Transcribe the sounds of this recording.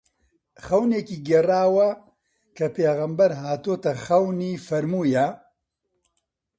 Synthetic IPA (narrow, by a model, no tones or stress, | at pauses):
xɐwneːkiːɡɐraːwɐ | kʰɐpʰeːɣɐmbɐɾɦaːt̪oːt̪ɐxɐwniːfɐɾmuːjɐ